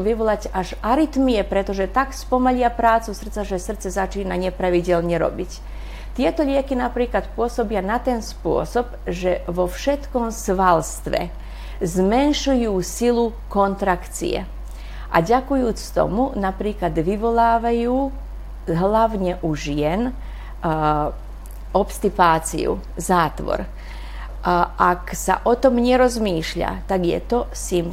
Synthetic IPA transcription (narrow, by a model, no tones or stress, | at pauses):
uʋiʋɔlacaʒaɾit̪miɛpɾɛt̪ɔʒɛt̪akspɔmaʎɪapɾaːt͡susr̩t̪t͡saʒɛsr̩t̪t͡sɛzat͡ʃiːnaɲɛpɾaʋiɟɛlɲɛɾɔ̰bic | t̪ɪɛt̪ɔʎɪɛkinapɾiːklat̪pʊɔsɔbɪanat̪ɛnspʊɔ̰sɔb | ʒɛʋɔfʃɛt̪kɔmsʋalst̪ʋɛ̰ | zmɛnʃujuːsilukɔnt̪ɾakt͡sḭɛ̰ | ʔa̰ɟakujuːt͡st̪ɔ̰munapɾiːklad̪ʋiʋɔlaːʋajuː | ɦlaʋɲɛʔuʒɪjɛn | ɔpst̪ipaːt͡sḭṵ | zaːt̪ʋɔ̰ɾ | ʔaksa̰ʔɔt̪ɔmɲɛɾɔzmiːʃʎa̰t̪aɡjɛ̰t̪ɔsim